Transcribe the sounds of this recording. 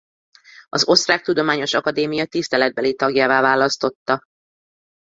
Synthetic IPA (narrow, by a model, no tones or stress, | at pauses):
ɒzo̞st̪raːk̚t̪ud̪o̞maːɲo̞ʃɒkɒd̪eːmijɒt̪ist̪ɛlɛd̪̚bɛlit̪ɒɡjaːvaːvaːlɒst̪o̞t̪ːɒ